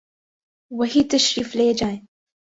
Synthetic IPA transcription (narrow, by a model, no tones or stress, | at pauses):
wɐɦiːt̪ɐʃɾiːfleːd͡ʒaːj